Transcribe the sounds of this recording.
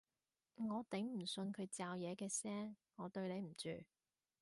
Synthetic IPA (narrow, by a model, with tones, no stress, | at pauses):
ŋɔː˨˧t̪e˨˥ŋm̩˨˩sɵ˧nkʰɵ˨˧ɥt͡saː˧wjɛː˨˧kɛː˧sɛː˥ŋːɔː˨˧t̪ɵ˧ɥne˨˧jm̩˨˩t͡ʃy̰ː˨˩